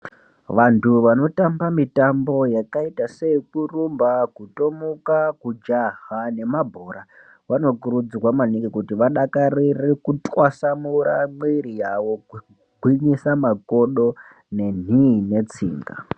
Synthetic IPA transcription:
ʋantʰuʋano̞tambamitambo̞jakaitase̞kurumbakuto̞mukakud͡ʒaɦane̞mabʱoːɾa | ʋano̞kuɾud͡zrwamaniŋɡikutiʋaɗakarirekutʼwasamuɾamwiɾijaʋo̞ku | ɡʱwiɲisamako̞ɗo̞ | ne̞n̤ine̞t͡sḭːŋɡa̰

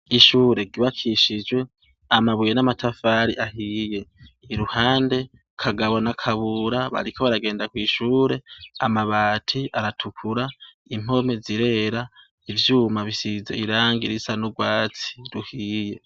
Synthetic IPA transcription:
iʃuːɾe̞ɡiβakʰiʃid͡ʒwe̞ | amaβujenamatʰafaːɾiʔahiːje̞ː | ɾuhaːnde̞ | kʰaɡaβo̞nakʰaβuɾaβa̰ɾikʰo̞βaɾaɡe̞ːndakwiːʃuːɾe̞amaβaːtʰiʔaɾatʰukʰuɾa | im̥o̞meziɾe̞ːɾa | ivjuːmaβisizeiɾaːŋɡiɾisanuɡwaːt͡si̥ɾuhiːje̞

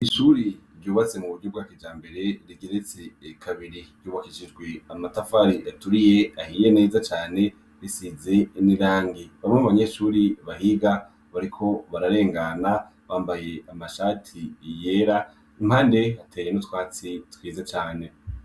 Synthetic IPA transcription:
iʃuɾiɾɟuːβat͡se̞muβudɟub̚ɡaːkid͡ʒaːmbe̞ɾe̞ɾiɡeɾet͡sekʰaβiɾijuːβakiʃid͡ʒɡweamatafaɾiatuɾije̞ahijene̞ːzat͡ʃaːne̞ | βisize̞niɾaːŋɡiβamemaβaɲe̞ʃuːɾiβahiɡa | βaɾikʰo̞βaɾaɾe̞ːŋɡana | βaːmbaje̞amaʃaːtʰijeːɾa | im̥haːnde̞hatʰeːjenotwaːt͡sitwiːzat͡ʃaːne̞

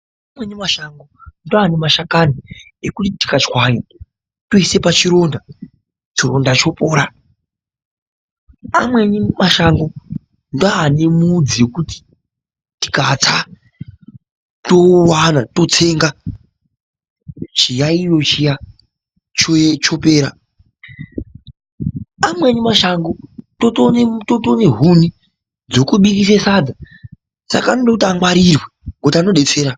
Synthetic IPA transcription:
amwenimaʃaŋɡondoanemaʃakani | ekutiti̥kat͡ʃwaɲi | toise̞pat͡ʃiɾo̞nda | t͡ʃiro̞ndat͡ʃo̞po̞ːɾa | amwe̞nimaʃaŋɡo̞ | ndoanemuud͡zijekuti̥ | ti̥kat͡sa | to̞wanato̞t͡se̞ŋɡa | t͡ʃijairo̞t͡ʃija | t͡ʃot͡ʃo̞pe̞ːɾa | amwenimaʃaŋɡototontoto̞ne̞ɦuni | d͡zo̞kuɓikisesad͡za | sa̰kaːnoɗokutiamwaɾirweŋɡotano̞ɗe̞t͡seːɾa

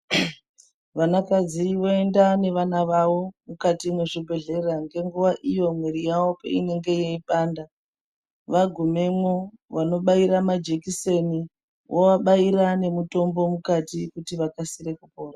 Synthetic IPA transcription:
ʋanakad͡ziʋoe̞ndane̞ʋanaʋawo̞mukatimweʐibʱe̞ɮe̞raŋɡe̞ŋɡuʋaʔijo̞mweɾijawo̞pḛine̞ŋɡe̞jeiɓaːnda | ʋaɡʱume̞mwoʋano̞ɓaiɾamad͡ʒekiseni | wʔowaɓaiɾane̞muto̞mbo̞mukatikutiʋakasiɾe̞kupo̞ːra

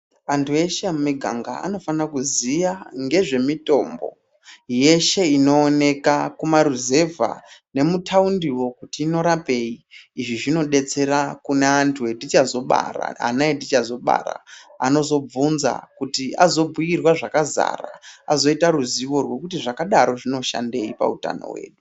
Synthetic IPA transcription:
antʰueʃemmiɡʱa̰ŋɡa̰a̰no̞fanakuzijaŋɡe̞ʐe̞mito̞mbo̞̰ | je̞ʃe̞ino̞ːne̞kakumaɾuze̞vʱa̰ne̞mutʰaundiwo̞kutiːno̞ɾape̞iːʐiʐino̞ɗe̞t͡se̞ɾakuneantʰuedit͡ʃazo̞ɓa̰ra̰a̰naedit͡ʃazo̞ɓa̰ɾa̰ano̞zo̞b͡vunza̰kutiazo̞bujirwaʐakaza̰ːra̰azo̞itaruziwo̞rwe̞kutiʐakaɗaɾo̞ʐino̞ʃa̰nde̞ipa̰uta̰no̞̰wḛːɗu

